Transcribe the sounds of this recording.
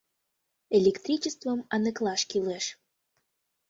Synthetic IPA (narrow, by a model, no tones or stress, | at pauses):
elʲekt̪ɾʲit͡ɕəst̪vəmɑnəklɑʃkʲileʃ